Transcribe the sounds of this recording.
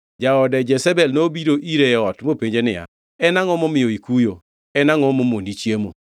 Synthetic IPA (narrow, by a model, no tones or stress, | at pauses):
d͡ʒaɔdɛd͡ʒɛsɛbɛlnobiɾoʔiɾeɔtmopeɲd͡ʒenɪa̰ | ɛnaŋɔmɔmɪjɔikujo | ɛnaŋɔmomonit͡ʃjemo̰